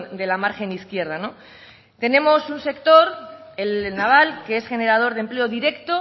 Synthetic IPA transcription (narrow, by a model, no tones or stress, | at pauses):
nd̪e̞lamaɾxe̞niθkje̞ɾð̞ano̞ | t̪e̞nẽ̞mo̞sunse̞kt̪o̞ɾe̞lnaβ̞alkeesxe̞ne̞ɾað̞o̞ɾðemple̞oðiɾe̞kt̪o